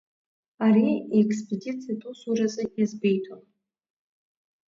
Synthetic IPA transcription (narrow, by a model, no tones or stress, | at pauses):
aɾiiekʰʼspʰʼedit͡sʰijatʼusurazʼɨjazbe̞jtʰon